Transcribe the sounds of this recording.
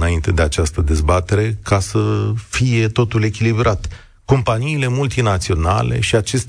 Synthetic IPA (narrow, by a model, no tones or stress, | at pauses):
naint̪e̞d̪e̞at͡ʃast̪əd̪e̞zbat̪e̞ɾe̞kʰasəfije̞t̪o̞t̪ule̞kʲilibɾat̪ | ko̞mpaniːle̞mult̪inat̪sio̞na̰le̞̰ʃiat͡ʃe̞st̪